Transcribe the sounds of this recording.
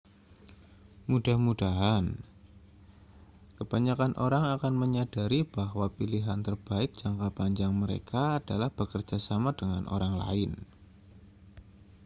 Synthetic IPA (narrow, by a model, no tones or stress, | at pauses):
mudahmud̥aɦan | kəb̥aɲakanʔoɾaŋakanməɲadaɾib̥aɦwapiliɦant̪ərb̥aɪk̚d̥d͡ʒ̥aŋkapaɲd͡ʒaŋməɾḛkaːd̥alahb̥əkərd͡ʒasamadəŋanʔo̰ɾaŋla̰ɪn